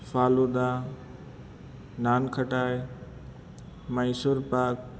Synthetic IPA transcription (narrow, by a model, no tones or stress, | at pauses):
fʰaːlud̪a | naːnkʰəʈaːj | məjsoɾpaːk̚